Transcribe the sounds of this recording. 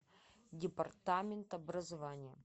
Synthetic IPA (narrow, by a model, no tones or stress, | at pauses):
dʲɪpɐrt̪amʲɪnt̪ɐbɾəzɐvanʲɪjə